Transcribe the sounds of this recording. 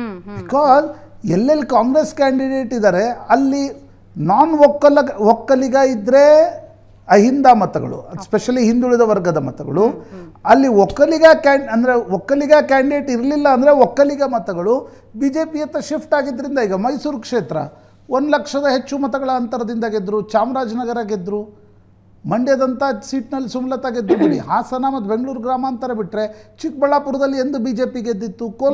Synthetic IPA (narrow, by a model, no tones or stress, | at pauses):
bikaːz | ɛlːɐlːikaːŋɡɾeskaːɳɖiɖe̞ːʈid̪aːɾe̞ɐlːi | naːnʋɔkːɐlɐɔkːɐliɡɐid̪ɾe̞ | ɐɦind̪amɐt̪ɐɡɐ̰ɭṵɐspeʂɐliɦind̪uɭid̪ɐʋɐɾɡɐd̪ɐmɐ̰t̪ɐɡɐ̰ɭuɐlːiɔkːɐliɡakaːɐnd̪ɐɾe̞ɔkːɐliɡakaːɳɖeːʈiɾlilːɐːnd̪ɐɾe̞ɔkːɐliɡɐmɐt̪ɐɡɐɭu | biːd͡ʒe̞ːpijɐt̪ːɐʃipʰʈaːɡid̪ːɐɾind̪ɐiːɡɐmɐjsuːɾkʂeːt̪ɾɐ̰ | ond̪lɐkʂɐd̪ɐɦet͡ʃːumɐt̪ɐɡɐɭɐːnt̪ɐɾɐd̪ind̪ɐɡed̪ɾut͡ʃaːmɾaːd͡ʒnɐɡɐɾaːɡed̪ːɾu | mɐɳɖjɐd̪ɐnt̪ɐsiːʈnɐlːisumlɐt̪aːɡed̪ːɾubɐnḭɦaːsɐnamɐt̪ube̞ŋɡɐɭuːɾɡɾaːmaːnt̪ɐɾɐbiʈɾe̞t͡ʃik̚bɐɭːaːpuɾɐd̪ɐlːie̞nd̪ubiːd͡ʒe̞ːpiɡed̪ːit̪ːuko